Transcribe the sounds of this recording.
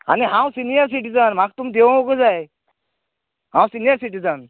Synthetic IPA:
a̰niɦãwsinijəɾsiʈid͡zənm̤ak̚t̪umid̪eʋ̃ɡəd͡zaj | ɦãwsinijəɾsiʈid͡zən

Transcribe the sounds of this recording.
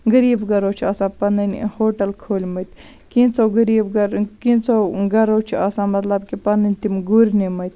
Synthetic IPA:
ɡɐɾiːbɡɐɾoːt͡ʃʰiaːsãːpɐnɐnhoːʈɐlkʰoːlʲmɐt̪ʲʰ | kĩːnt͡soɡɐɾiːbɡɐɾkĩnt͡soɡɐɾoːt͡ʃʰiaːsãːmɐt̪lɐb̚kipɐnɐnʲt̪imɡuɾʲnimɐt̪̚ʲ

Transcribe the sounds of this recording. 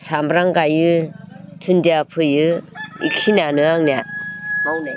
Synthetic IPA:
sambɾaŋɡajɯtʰɯndiapʰɯjɯḭk̚sinanɯaŋniat̚mawne

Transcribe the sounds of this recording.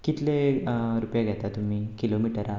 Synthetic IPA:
kit̪leɾupjaɡʱɛt̪at̪um̤iːkilomiʈəɾa

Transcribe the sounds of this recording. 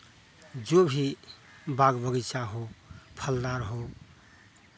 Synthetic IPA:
d͡ʒobʱi | baɡbəɡit͡ʃaɦopʰəld̪aɾɦo

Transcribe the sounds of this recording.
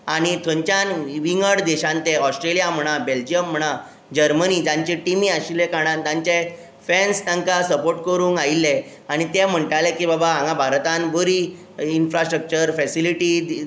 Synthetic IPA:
aɽ̃it̪ʰə̃ɲt͡ɕanʋiŋɡəɽd̪ɛɕãnt̪ɛɔsʈɾelijam̤əɽ̃abeld͡ʑijəm̤ːəɽ̃a | d͡ʑəɾmənid͡ʑaɲt͡ɕɛʈimiːaɕilekaɽ̃ãnt̪ãɲt͡ɕe | fɛnst̪ãŋkasəpoɾʈ̚kəɾũːŋɡailːe | aɽ̃it̪am̤əɳʈalẽkibabaãŋɡãbʱaɾt̪anbʱəɾi | infɾasʈɾək̚t͡ɕəɾfɛsiliʈi

